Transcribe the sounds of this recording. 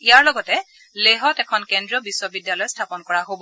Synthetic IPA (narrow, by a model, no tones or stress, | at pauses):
ijaɹlɔɡɔtɛ | leɦɔtɛkʰɔnkendɹɔbiswɔbidjalɔjstʰapɔnkɔɹaɦob